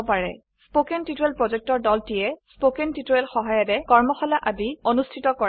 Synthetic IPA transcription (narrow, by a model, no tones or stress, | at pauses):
paɹɛ̰ | spokɛntituɛlpɹɔzɛk̚tɔɹdɔltijɛspokɛntituɛlxɔɦajɔdɛkɔɹmɔxɔlaʔabionustʰitɔkɔɹ